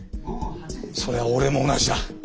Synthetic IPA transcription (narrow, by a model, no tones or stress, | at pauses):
so̞ɾe̞βaoɾe̞moːnaʑid̪a